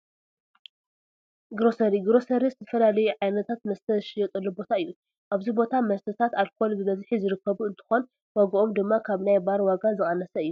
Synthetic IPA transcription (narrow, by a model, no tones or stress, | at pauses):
ɡɾo̞sɐɾiɡɾo̞sɐɾizɨt̪ʰɐ̥fɐlalɐjuʕajnɐt̪ʰat̪mɐst̪ʰɐzɨʃɪjɛt̪ʼɐlːubo̞t̪ʰaɨjːu | ʔaβzibo̞t̪ʰamɐst̪ʰɐt̪ʰat̪alkʰolbɨmɐzħizɨɾɨkʰːɐβuɨnt̪ʰɨ̥xo̞n | waɡɐʔomd̪ɨmːakʰaβnajbaɾwaɡazɨχʼɐnɐsɐɨjːu